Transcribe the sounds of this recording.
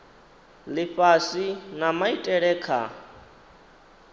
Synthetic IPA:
liɸasinamaitʼɛɺɛːkʰa̰

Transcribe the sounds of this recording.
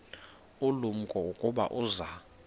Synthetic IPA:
ulum̩kʼɔukʼuɓa̰ʔuza

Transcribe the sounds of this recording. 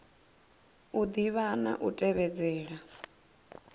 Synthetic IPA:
ud̪iβana̰ʔutʼɛβɛd͡zɛːɺa

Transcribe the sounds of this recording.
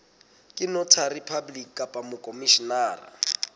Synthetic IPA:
kʼɪnɔtʰaripʰablikʼapʼamʊkʼomiʃinaːra̰

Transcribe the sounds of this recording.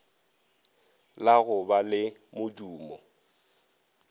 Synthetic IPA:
laɣʊbalɪmʊd͡ʒuːmɔ

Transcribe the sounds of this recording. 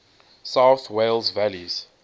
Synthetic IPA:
sawθwelzvæliz̥

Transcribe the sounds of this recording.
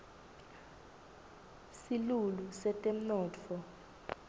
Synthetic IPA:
silulusɛtʼem̩nɔːt͡fʰɔ

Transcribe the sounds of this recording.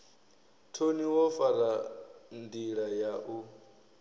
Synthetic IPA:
tʰoniwɔfaɾandiɺajaʔu

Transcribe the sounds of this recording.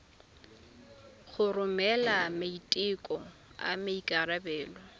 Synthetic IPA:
χʊrʊmɛlamaitʼɪkʼɔa̰maikʼaɾabɛːlɔ

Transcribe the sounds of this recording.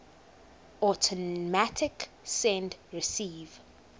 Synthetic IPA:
ɔtʰɔmatʰɪk | sɛ̃ndɹɪsiːv

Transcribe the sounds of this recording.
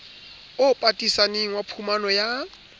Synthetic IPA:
ʊpʼatʼisaneŋ̩wapʰumanɔja

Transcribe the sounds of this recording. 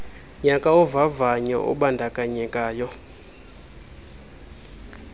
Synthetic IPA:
ɲakʼaɔvavaɲɔ̰ʔɔ̰ɓandʱakʼaɲɛkʼaːjɔ

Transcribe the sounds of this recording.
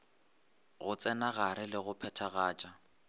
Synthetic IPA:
ɣʊt͡sʼɛnaɣaɾɪlɪɣʊpʰɛtʰaɣaːt͡ʃʼa

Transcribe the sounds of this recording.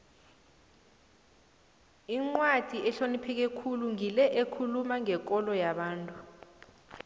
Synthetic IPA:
iŋ͡ǃwad̥ʱiɛɬonipʰɛk̬ekʰuluŋilɛʔekʰulumaŋɛk̬ʼɔlɔjaɓaːntʼu

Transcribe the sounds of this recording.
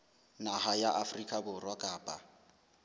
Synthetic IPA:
nahajaʔafrikʼabʊrwakʼaːpʼa

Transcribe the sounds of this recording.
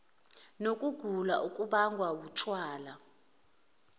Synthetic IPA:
nokʼuɡ̥ʱulaʔukʼuɓaŋɡʱwawutʰwaːla

